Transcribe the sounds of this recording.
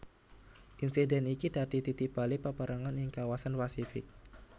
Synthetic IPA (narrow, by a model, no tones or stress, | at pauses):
ʔinsidɛnikid̥ad̥i̤t̪it̪ib̥alipəpəɾʔaŋanjɪŋkawasanpasifɪ̰k̚